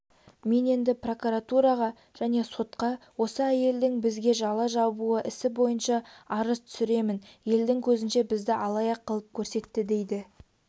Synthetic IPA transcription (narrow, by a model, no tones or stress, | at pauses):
me̞ne̞nd̪ɪpro̞kuɾat̪uɾɑʁɑ | ʒ̥æne̞so̞t̪qɑwo̞səæje̞ld̪ɪŋbɪzɡʲe̞ʒɑlˠɑʒɑbuəʔɪsɪbo̞jənʃɑɑɾəzt̪ʰʏ̥sɪɾe̞mɪnje̞ld̪ɪŋkʲʰɵzɪnʃe̞bɪzd̪ɪʔɑlˠɑjɑqːəlˠəp̚kʲʰɵɾse̞t̪ːɪd̪e̞jd̪ɪ